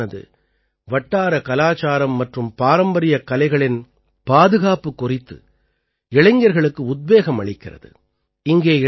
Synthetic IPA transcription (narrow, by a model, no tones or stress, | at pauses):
ɐðɯ̰ | ʋɐʈːaːɾɐkɐlaːt͡ʃaːɾɐmːɐʈrɯmpaːɾɐmbɐɾɪjɐkɐlɐɪɣɐɭɪn | paːðɯɣaːpɯkːʊrɪt̪ːɯ̰ | ɪɭɐɪŋɡɐɾɣɐɭɯkːɯʊd̪̚beːɣɐmɐɭɪkːɪrɐ̰ðɯ̰ | ɪŋɡeː